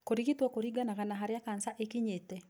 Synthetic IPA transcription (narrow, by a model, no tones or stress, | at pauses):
koɾiɣitwɔkoɾiɡanaɣanaɦaɾjakansaʔekiɲetɛ